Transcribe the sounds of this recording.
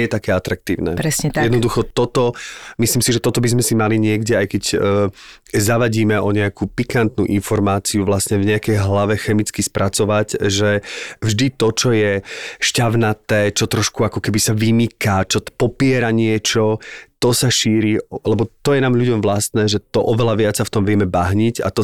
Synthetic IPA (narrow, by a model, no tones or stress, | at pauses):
ɛjɛt̪akɛːat̪ɾak̚t̪iːʊnɛ̰ɾɛsɲɛjɛd̪nɔd̪uxɔt̪ɔt̪ɔmisliːmsiʒɛt̪ɔt̪ɔbizmɛsimaliɲɪɛɡɟɛajkɛcː | zaʋaɟiːmɛɔɲɛakuːpikant̪nṵːʔinfɔɾmaːt͡siuʋlast̪ɲɛvɲɛakɛjɦlaʋɛxɛmit͡skispɾʔat͡sɔʋacʒɛvʒd̪it̪ɔt͡ʃɔjɛʃcaʋnat̪ɛːt͡ʃɔt̪ɾɔʃkuakɔkɛbisaʋimikat͡ʃɔpɔpɪɛɾaɲɪɛt͡ʃɔt̪ɔsaʃiːɾilɛbɔt̪ɔjɛnaːmʎuɟɔmʋlast̪nɛːʒɛt̪ɔʔɔʋɛlaʋɪat͡saft̪ɔmʋɪɛmɛbaɦɲica̰t̪ɔ